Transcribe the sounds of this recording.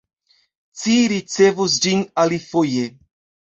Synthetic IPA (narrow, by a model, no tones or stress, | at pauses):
t͡siɾit͡sevus̬d͡ʒinalifoje